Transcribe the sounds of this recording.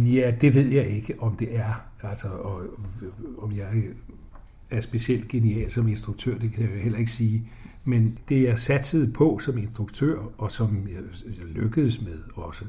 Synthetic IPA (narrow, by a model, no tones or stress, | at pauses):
jæd̥e̝ʋe̝ð̞̰ˠjɑ̈ɪe̝ɡ̥əʔɒ̽md̥e̝ʔæɐ | æl̰sɒɒ | ɒmjɑ̈ɪ | æɐsb̥e̝siel̰d̥̚ɡ̥e̝niɛ̰ːlsɒ̽me̝nsd̥ʁuɡ̥̚t͡sʰø̰ɐ̰d̥e̝kʰæjahel̰ɐe̝ɡ̥əsiː | mend̥e̝ɑ̈sæd̥səð̞̩ˠpʰɒ̽sɒ̽me̝nsd̥ʁuɡ̥t͡sʰø̰ɐ̰ɒ̽sɒ̽mj | løɡ̥əðˠsmeðˠɒ̽sə